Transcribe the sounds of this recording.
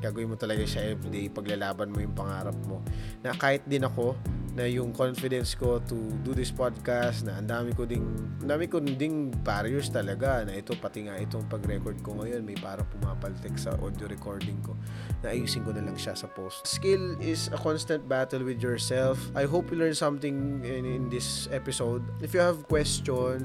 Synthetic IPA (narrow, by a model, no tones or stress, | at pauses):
ɡ̥aːɡʊwɪnmot̪ɐlɐɡasɐɛvd̪ɛpɐɡlɐlaːbɐnmojʊŋpɐŋaːɾɐp̚mo̞nɐkaːhɪt̪̚d̪ɪnɐko̞nɐjʊŋkonfɪd̪ɛnsko̞t̪ud̪ud̪ɪspad̪̚kast̪nɐʔɐnd̪aːmɪkod̪ɪŋɐnd̪aːmɪkond̪ɪnbaɾjɛst̪ɐlɐɡanɐʔɛt̪o̞pɐt̪ɪŋaʔɛt̪oŋpɐɡɾɛkoɹd̪̚koŋɐjo̞nmɐjpaːɾɐŋpʊmaːpɐlt̪ɛksɐ̰ʔo̰d̪joɾɛkoɹd̪ɪŋko̞ | nɐʔɐjuːsɪŋkonɐlɐŋʃasɐpost̪skɪlɪsɐkɔ̃nst̪ɐ̃nt̪̚bat̪ɛlwɪd̪jɔɹsɛlfʔajɦowpjulɛɹnsɐ̃mt̪ɪ̃ŋɪnd̪ɪsʔɛpɪsowd̪̚ɪfjuhɐvkwɛst͡ʃɔn